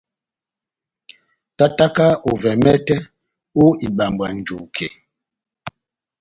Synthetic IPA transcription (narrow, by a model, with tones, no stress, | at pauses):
ta˦ta˦ka˦u˨vɛ˨mɛ˦tɛ˦ | u˦i˨ɓa˨mbwa˨n̩˨d͡ʒu˨kʰḛ˨